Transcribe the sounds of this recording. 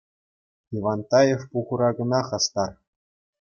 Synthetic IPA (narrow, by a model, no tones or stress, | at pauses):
iʋɑnt̪ɑjefpuʁɤ̆ɾɑɡɤ̆nɑχɑst̪ɑr